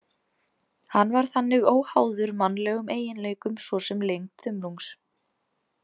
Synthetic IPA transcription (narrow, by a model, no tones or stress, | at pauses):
hanːvaɾ̥θanːɪɣoːwhaːwðʏɾmanːlɛːɣʏmeːjɪnleːjkʏmsvɔsɛmlejŋkθʏmluŋks